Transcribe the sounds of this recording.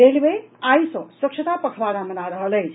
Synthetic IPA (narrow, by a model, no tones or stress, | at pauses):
elbejajsʌ̃səkʂʰət̪apəkʰbad̪amənaɾəɦələjt͡ʃʰ